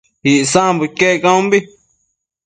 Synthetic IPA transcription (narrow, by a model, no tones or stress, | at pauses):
iʔsãbɨkekãũmbi